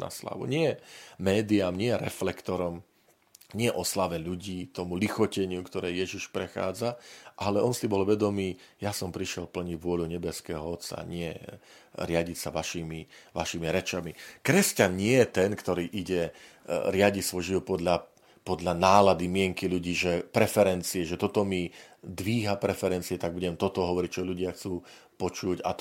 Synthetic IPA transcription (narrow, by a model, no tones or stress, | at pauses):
na̰sla̰ʋṵɲɪɛɛmɛːd̪iamɲɪɛjɛɾɛflɛkt̪ɔɾɔm | ɲɪɛʔɔslaʋɛʎuɟiːt̪ɔmulixɔcɛɲɪukt̪ɔɾɛːjɛʒiʃpɾɛxa̰ːd͡zaʔalɛɔnsibɔlʋɛd̪ɔmiː | jasɔmpɾiʃɪɛlpl̩ɲiʋʊɔluɲɛbɛskɛːɦɔɔt̪t͡sa̰ɲɪɛ | ɾɪaɟicsaʋaʃiːmiʋaʃiːmiɾɛt͡ʃamikɾɛscanɲɪɛjɛt̪ɛnkt̪ɔɾiːʔiɟɛ | ɾɪaɟisʋɔjʒiʋɔt̪̚pɔd̪ʎa | pɔd̪ʎanaːlad̪imɪɛŋkiʎuɟiːʒɛpɾɛfɛɾɛnt͡siɛʒɛt̪ɔt̪ɔmid̪ʋiːɦapɾɛfɛɾɛnt͡siɛt̪aɡ̚buɟɛmt̪ɔt̪ɔɦɔʋɔɾic̚t͡ʃɔʎuɟɪaxt͡suː | pɔt͡ʃuɟa